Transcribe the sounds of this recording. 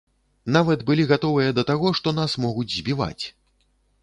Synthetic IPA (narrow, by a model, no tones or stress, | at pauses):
navɐd̪bɨlʲiɣat̪ɔvɨjɐd̪ɐt̪aɣɔʂt̪ɔnasmɔɣud͡zʲzʲbʲiva̰t͡sʲ